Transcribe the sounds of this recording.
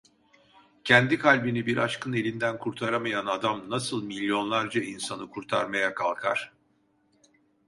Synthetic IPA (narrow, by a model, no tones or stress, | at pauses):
cʰɛnd̪ikʰalʲbinibiɾʔat͡ʃkʰɯne̞lʲind̪ænkʰuɾt̪ʰaɾamajanad̪amnasɯlˠmilʲːjo̞nlˠaɾd͡ʒainsanɯkʰuɾt̪ʰa̰ɾmajakʰalˠkʰa̰ɾ̥